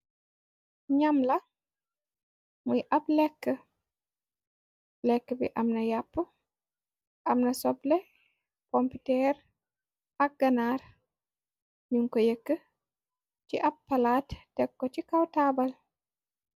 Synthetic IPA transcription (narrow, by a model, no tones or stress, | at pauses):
ɲamlɐ | mujʔɐblɛkːə | lɛkːəbḭʔɐmnɐjapːu | ʔɐmnɐsɔblɛ | kompitɛɾ | ɐk̚ɡɐnaːɾ | ɲuŋkojəkːə | ciʔɐbːɐlaːtdɛkːɔt͡ʃikawtabɐl